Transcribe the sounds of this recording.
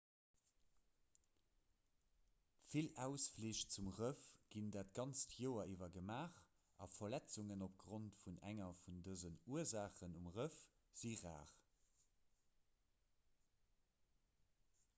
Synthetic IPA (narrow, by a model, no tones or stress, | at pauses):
filæʊsfliːʃt͡sumʁəfɡ̥indaːtɡɑnt͡stʰjoːɐʔivɐɡəmaːχ | ɑ̰fɐlæt͡suŋənop̚ɡʁontfunʔæ̰ŋɐfundəzənuəɐzaːχənumʁəfz̥iʁa̰ːχ